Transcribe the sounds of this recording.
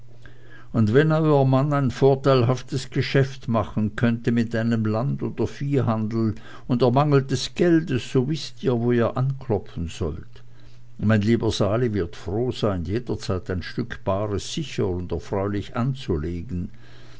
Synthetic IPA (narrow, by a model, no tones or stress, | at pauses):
ʊndvɛnɔʏɐmanaɪnfoːɐtaɪlɦaftəsɡ̥əʃɛftmaχn̩kʰœntəmɪtaɪnəmlandoːd̥ɐfiːɦandl̩ | ʊndɛːɐmaŋl̩dɛsɡ̥ɛldəsːoːvɪstiːɐvoːiːɐʔankʰlɔpfn̩z̥ɔ̰lt | maɪnliːbəzaːlivɪɐtfʁoːz̥aɪnjeːdɐt͡saɪtaɪnʃtʏkʰb̥aːʁəsz̥ɪçəʁʊndɛɐfʁ̥aʏlɪçʔant͡suleːɡn̩